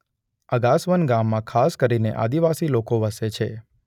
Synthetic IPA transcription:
əɡasʋənɡamːãkʰaskəɾinḛʔa̰d̪iʋasilokoʋəset͡ʃʰḛ

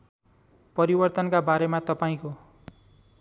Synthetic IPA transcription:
pʌɾibʌrt̪ʌnkabaɾemat̪ʌpaĩko

